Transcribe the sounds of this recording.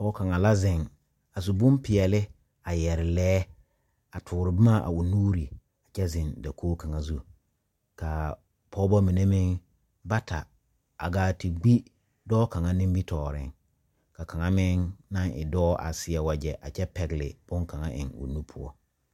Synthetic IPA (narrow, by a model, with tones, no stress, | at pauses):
pɔː˦ka˨ŋa˨la˦zɪ̃˨ŋ | a˨s̬u˨bʊ˦mpɪ˨ɛ˨lɪ˦ | a˨jɛ˨ɾɪ˨lɛː˦ | a˨tʰʊː˨ɾɪ˨bɪ˦ma˦ʔa̰˨ʊ˨nuː˦ɾi˨ | a˨t͡ʃɛ˦zɪ̃˨nda˨kʰoː˦ka˨ŋa˨zu˦ | ka˨ | pʰɔː˦bɔ˦mi˨ne˦mɪ˦ŋ | ba˦tʰa̰˨ | a̰˨ɡaː˨ti˨ɡ͡bi˦ | dɔː˦ka˨ŋa˦nɪ̃˦m˦bi˦tʰɔː˨ɾɪ̰˦ŋ | ka˨ka˨ŋa˦mɪ˦ŋna˦ŋɪ̰˨dɔː˦ʔa̰˨sɪ˨a˨wa˨d͡ʒɛ˨ʔa˨t͡ʃɛ˦pɛ˨ɡlɪ̰˨b̥ʊ˦ŋka˨ŋa̰˦ʔɪ̰˨ŋʊ̰˨nu˦pʰʊ˦ɔ̰˦